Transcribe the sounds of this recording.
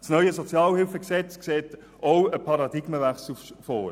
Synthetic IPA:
snœʏəsɔt͡sjɑːlhɪlfəksɛt͡skseːt | owəpʰɑɾɑdɪɡ̥məvæχsl̩fɔːɾ

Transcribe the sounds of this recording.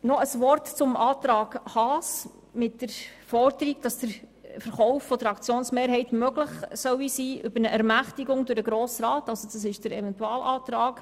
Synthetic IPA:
nɔʔəsʋɔrtt͡sʊmʔɑːtɾɑːɡhɑːs | mɪtdəɾfɔrd̥əɾiɡd̥ɑsd̥əɾ | fəɾχɔwfːɔdəɾɑkt͡sjoːnsmeːɾhɛɪtmøɡləχsœwisiːʔʏbəɾnəʔæɾmæχtiɡʊŋdʊɾdəɡɾɔːsrɑːtɑlsɔd̥ɑs̬ɪʃd̥əɾɛvɛntuɑːlʔɑːt̪ɾɑːk

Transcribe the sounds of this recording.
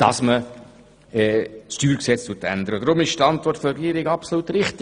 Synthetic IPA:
d̥ɑsmə | ɛtstyːɾksɛt͡stut̪æ̰nd̪əɾəd̥̪ɾʊmɪʃt̪ɑnt̪vɔrtfɔɾɛɡiːɾɪɡɑpsoluːt̪ɾɪχt̪

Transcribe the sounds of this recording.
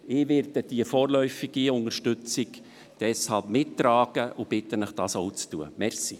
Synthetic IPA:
ɪːʋɪɾtəd̥iəfoːɾlœʏfɪɡ̥iʊnərʃtʏt͡sɪk | d̥ɛshɑlpmɪtːɾɑːɡ̥əʔʊb̥ɪt̪ːənəχd̥ɑːsoʊt͡stṵə̰mɛɾsi

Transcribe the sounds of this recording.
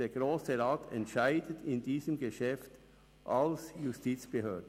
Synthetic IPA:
eːɐɡ̥ʁoːsəɾaːtʰɛ̰ntʃaɪdətʰɪndiːzəmɡəʃɛft | ʔalsjustiːt͡sb̥əhøːdn

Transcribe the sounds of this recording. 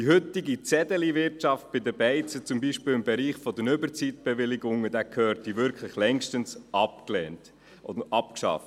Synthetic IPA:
d̥iɦʏt̪ɪɡit͡sɛdəliʋɪɾtʃɑft̚b̥ɪd̪əbɛɪt͡sət͡sʊmbiːʃpɪːlɪmbɛɾiːχfɔd̪ənʏbəɾt͡sit̪̚b̥ɛʋɪlɪɡʊŋːəd̥̪æːkʰøːɾtːiʋɪɾkʰlɪχlɛŋʃtənsʔɑpklɛːnt | ɔ̰əʔɑpkʃɑ̰ft

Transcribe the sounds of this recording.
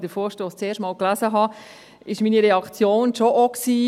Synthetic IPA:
d̥əfoːɾʃtoːst͡seːʃtmɑːlklæzəɦɑ | ɪʃmiːniɾɛɑkt͡sjoːnʃoʔoksiː

